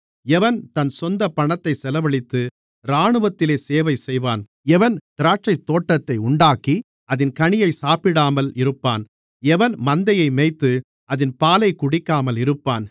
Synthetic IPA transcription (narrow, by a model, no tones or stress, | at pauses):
ɛʋɐnt̪ɐnsɔnd̪ɐpɐɳɐt̪ːɐɪsɛlɐʋɐɭɪt̪ːɯ | ɾaːɳɯʋɐt̪ːɪleːseːʋɐɪsɛjʋaːn | ɛʋɐnt̪ɪɾaːʈt͡ʃɐɪt̪ːoːʈːɐt̪ːɐɪʊɳɖaːkːi | ɐðɪnkɐɳɪjɐɪsaːpɪɽaːmɐlɪɾɯpːaːn | ɛʋɐnmɐnd̪ɐjɐɪmeɪt̪ːɯ | ɐðɪnpaːlɐɪkːʊɽɪkːaːmɐlɪɾɯpːaːn